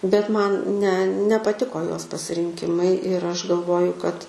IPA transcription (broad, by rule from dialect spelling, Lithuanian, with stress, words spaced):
bʲɛt ˈmɐn nʲɛ nʲɛpɐˈtʲɪkoː ˈjoːs pɐsʲɪrʲɪŋʲˈkʲɪmɐɪ ɪr ˈɐʃ ɡɐlˠˈʋoːjʊ kɐt